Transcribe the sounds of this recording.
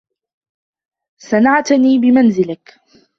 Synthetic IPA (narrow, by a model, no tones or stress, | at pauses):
sanaʕt̪niːbɪmanzɪlɪk